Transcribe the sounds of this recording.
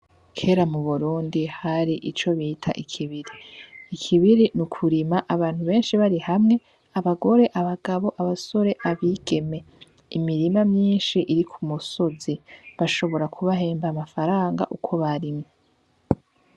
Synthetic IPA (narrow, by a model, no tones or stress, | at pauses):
kʰe̞ːɾamuβuɾuːndihaɾiʔit͡ʃo̞βiːtʰa̰ʔikʰiβiɾiːkʰiβiɾinukʰuɾimaʔaβaːnhuβe̞ːnʃiβaɾihamŋe̞ | aβaɡo̞ɾe̞ʔaβaɡaβo̞ʔaβaso̞ɾe̞ʔaβiɡ̥e̞me̞ | imiɾimamɲiːnʃiʔiɾikʰumuso̞ziβaʃo̞βo̞ɾakʰuβaɦeːmbamafaɾaːŋɡa̰ʔukʰo̞βaɾimŋo